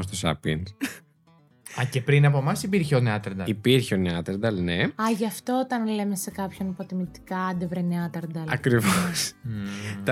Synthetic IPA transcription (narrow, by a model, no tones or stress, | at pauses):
st̪osɐ̰pin | ɐce̞pɾinɐpo̞mɐsipiɾçeo̞neɐt̪eɾd̪ɐipiɾçeoneɐt̪eɾd̪ɐlneɐʝɐft̪oot̪ɐnle̞mesekɐpço̞nipot̪imit̪i̥kɐɐd̪evɾeneɐt̪ɐɾd̪ɐlɐkɾivos | t̪